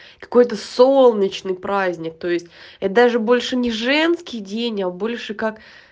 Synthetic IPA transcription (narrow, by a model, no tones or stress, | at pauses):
kɐ̥ko̞jt̪̬əso̞lˠnʲɪt͡ɕnɨjpɾazʲnʲɪk̚t̪o̞jɪsʲtʲɛt̪d̪aʐɨbo̞lʲʂɨnʲɪʐɛnskʲɪjdʲenʲabo̞lʲʂɨkak